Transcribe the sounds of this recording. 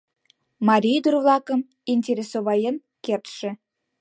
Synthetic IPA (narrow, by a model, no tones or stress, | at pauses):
mɑɾʲijd̪urvlˠɑkə̆m | inʲtʲeɾʲesoβɑjən | kert̪ʃĕ